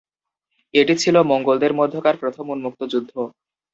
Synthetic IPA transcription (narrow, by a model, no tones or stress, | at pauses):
eʈit͡ɕʰilomoŋɡold̪eɾmod̪ʱːokaɾpɾot̪ʰomunmuk̚t̪od͡ʑud̪ʱːo